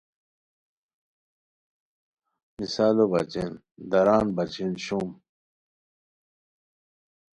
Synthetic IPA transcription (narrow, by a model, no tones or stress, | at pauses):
misaːlobɐt͡ɕen | d̪ɐɾaːnbɐt͡ɕenɕum